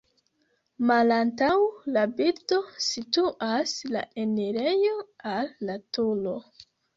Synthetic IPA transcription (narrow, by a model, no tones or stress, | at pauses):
malantawlabito̞situʔasla̰eneɾe̞joalːatulo̞